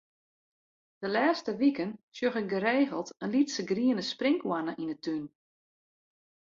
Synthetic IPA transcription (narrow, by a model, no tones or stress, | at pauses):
d̥əlɛːstəʋikənsjøxɪk̚ɡəɾeːɣəlˠtənlitsəɡriənəsprɪŋkwanəʔinətyn